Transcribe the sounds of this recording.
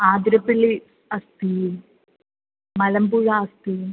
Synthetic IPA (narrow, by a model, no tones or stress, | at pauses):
aːd̪ɾɐpːili | ɐst̪ium | mɐlɐmpuːɻaɐst̪ijum